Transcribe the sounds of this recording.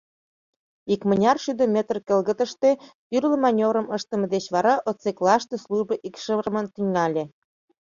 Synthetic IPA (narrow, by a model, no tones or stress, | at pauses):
ikmə̆nʲɑrʃyd̪əmʲet̪rkəlɣə̆t̪ə̆ʃt̪et̪yrlə̆mɑnʲoɾə̆məʃt̪ə̆mə̆d̪et͡ɕβɑɾɑʔot͡seklɑʃt̪esluʒbə̆ʔikʃəmənt̪yŋɑlʲe